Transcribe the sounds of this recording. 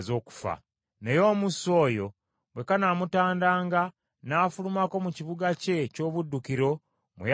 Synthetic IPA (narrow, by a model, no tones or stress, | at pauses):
zo̞ːku̥fa̰ | ne̞jo̞ːmuso̞ːjo̞ | bwe̞kanamutaːndaːŋɡa | naːfulumako̞muciβuɡace̞co̞ːβudːukiɾo̞ | mṵj